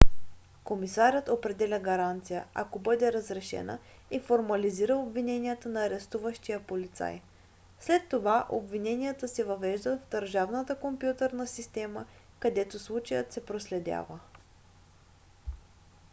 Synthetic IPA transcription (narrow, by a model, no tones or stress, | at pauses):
komisaɾʲət̪opɾɛd̪ɛlʲəɡɐɾant̪sijəa̰kobɤd̪ɛɾəzɾɛʃɛ̰nə̰ | ifoɾmɐliziɾəobvinɛniət̪ənɐːɾɛst̪uvəʃt̪ijəpolit̪sa̰j | slɛt̪ːovaʔo̰bvinɛniət̪əsɛvɐvɛʒd̪ət̪vd̪əɾʒavnət̪əkompjut̪əɾnəsist̪ɛmə | kɐd̪ɛt̪oslˠut͡ʃəjət̪sɛpɾoslɛd̪ʲa̰və